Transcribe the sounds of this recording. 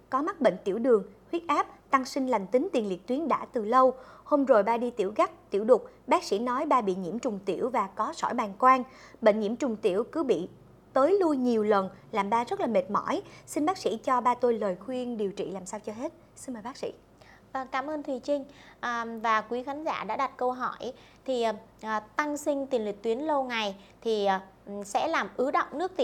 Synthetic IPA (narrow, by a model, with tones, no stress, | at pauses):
kɔ˨˦ma˦˥k̚ɓḛ˧˨ŋ̟t̪i˧˩əwɗɨ˨˩əŋhwi˦˥ət̚ʔaː˦˥p̚t̪a˧ŋsï˧ŋ̟la˨˩ŋ̟t̪ï˨˦ŋ̟t̪i˨˩ənlḭ˨˩ət̚t̪wi˨˦ənɗa̰ː˧˥t̪ɨ˨˩lə˧who˧mzo˨˩jɓaː˧ɗi˧t̪ḭ˧˩əwɣa˦˥k̚t̪ḭ˧˩wɗʊ˨˩k͡p̚ɓaː˦˥k̚sḭ˧˥nɔ˨˦jɓaː˧ɓḭ˧˨ɲḭ˧˥əmt͡ɕʊ˨˩ŋ͡mt̪ḭ˧˩əwvaː˨˩kɔ˨˦sɔ̰˧˩jɓaː˨˩nkwaː˧nɓḛ˧˨ŋ̟ɲḭ˧˩əmt͡ɕʊ˨˩ŋ͡mt̪ḭ˧˩əwkɨ˨˦ɓḭ˧˨ | t̪əː˨˦jlu˧jɲi˨˩əwlə˨˩nlaː˨˩mɓaː˧zə˦˥laː˨˩me˨˩t̚mɔ̰˧˩jsi˧nɓaː˦˥k̚sḭ˧˥t͡ɕɔ˧ɓaː˧t̪o˧jləː˨˩jxwi˧ənɗi˨˩əwt͡ɕḭ˧˨laː˨˩msaː˧wt͡ɕɔ˧ɦe˦˥t̚ | si˧nməː˨˩jɓaː˦˥k̚sḭ˧˥ | və˧ŋkaː˧˩mʔəː˧nt̪ʰwi˨˩t͡ɕï˧ŋ̟ʔvaː˨˩kwi˨˦xaː˨˦nza̰ː˧˩ɗa̰ː˧˥ɗa˨˩t̚kə˧wɦɔ˧˩j | t̪ʰi˨˩˨ʔt̪a˧ŋsï˧ŋ̟t̪i˨˩nlwi˨˩k̚t̪wi˨˦ənlə˧wŋa˨˩jt̪ʰi˨˩˨ | sɛ̰˧˥laː˨˩mʔɨ˨˦ɗə̰˧˨wŋ͡mnɨ˦˥ək̚t̪ḭ˧˨